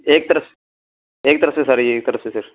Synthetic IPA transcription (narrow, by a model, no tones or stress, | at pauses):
eːk̚t̪ɐɾɐs | eːk̚t̪ɐɾɐsesaɾieːk̚t̪ɐɾɐsesɐɾ